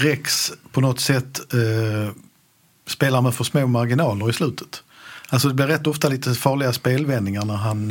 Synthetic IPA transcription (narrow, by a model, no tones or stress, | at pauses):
ɾɛkspʰɔnɔt̪sɛt̪ː | speːlaɾmɛfœʂmoːmaɾɡɪnɑːləɾɪslʉ̟ːt̪ʰə̥t̪ | alsɔd̪ɛblɪɾːɛt̪ːɔft̪aliːt̪əfɑːɭɪɡaspeːlvɛnːɪŋaɾɳæɾɦan